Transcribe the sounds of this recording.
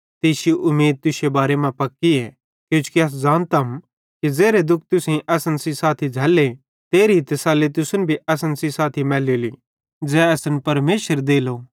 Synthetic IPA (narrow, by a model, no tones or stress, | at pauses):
t̪eːsjoʔʊmeːd̪̚t̪ʊsebaːɾemãpɐkːiɛ | kjõːt͡ʃʰu̥kiɐs̬zaːnt̪ɐɦm | kizeːɾed̪ʊk̚ʰt̪ʊsẽʔɐsənsisaːt̪ʰid͡ʒʱɐlːe | t̪eːɾit̪əsaːlet̪ʊsʊnbʱiɐs̬ənsisaːt̪ʰimɛːleli | d͡zɛɐsənpɐɾmeːʃəɾd̪eːlo